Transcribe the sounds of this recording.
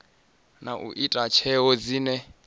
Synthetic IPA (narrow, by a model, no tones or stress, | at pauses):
naʔṵʔitʼat͡ʃʰɛɦɔd͡ziːnɛ